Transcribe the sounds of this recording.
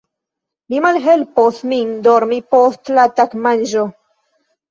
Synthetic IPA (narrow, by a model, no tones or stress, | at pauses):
mimalɦelposmind̪oɾmipostlat̪akmanʒo